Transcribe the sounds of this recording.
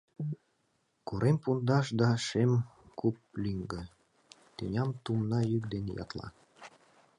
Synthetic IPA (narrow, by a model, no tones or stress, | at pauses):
kuɾʔempund̪ɑʃd̪ɑʃem | kup̚lʲyŋɡə̆ | t̪enʲɑmt̪umnɑjykd̪enḛjɑ̰t̪lɑ̰